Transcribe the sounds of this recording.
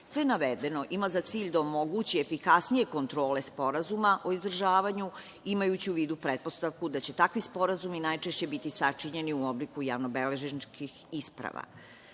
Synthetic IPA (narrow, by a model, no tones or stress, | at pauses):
sʋe̞jnaʋed̪e̞no̞ʔimazat̪siːʎd̪aomo̞ɡut͡ɕiefikasnije̞ko̞nt̪ɾo̞ːle̞spo̞ɾazumaʔo̞izd̪r̩ʒaːʋaɲu | imajut͡ɕiuʋiːd̪upɾe̞t̪̚po̞st̪aʋkud̪at͡ɕe̞t̪akʋispo̞ɾazuminajt͡ʃe̞ʃt͡ɕe̞bit̪isat͡ʂiɲe̞niuo̞blikuja̰ʋno̞beleʒint͡ʃkʰixispɾa̰ʋa̰